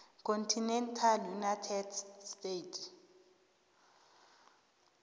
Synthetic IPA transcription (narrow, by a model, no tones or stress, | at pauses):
kʰontʰinɛntʰaljunatʰɛdstetʰ